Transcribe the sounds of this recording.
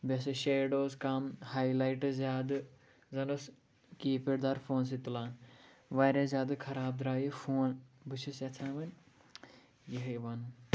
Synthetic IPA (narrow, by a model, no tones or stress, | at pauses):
bʲɐsɨʃeːɖoːzkaːmhaːjlaːjʈɨzʲaːd̪ɨ | zɐnus | kiːpeɽd̪aːɾfoːns̬it̪ulaːnʋaːɾʲɐzjaːd̪ɨkʰɐɾaːb̚d̪ɾaːjifʰoːnbut͡ʃʰisjɐt͡sʰaːʋɐnʲ | jɐɦɐjʋaːnu